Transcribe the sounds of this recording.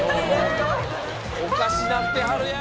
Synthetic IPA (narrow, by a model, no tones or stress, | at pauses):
okasinat̪ːeɦaɾ